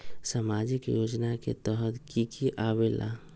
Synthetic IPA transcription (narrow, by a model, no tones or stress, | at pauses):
səmad͡ʒɪkjoːd͡ʒnakḛt̪əɦət̪kikʰiʔaʋelʔa̰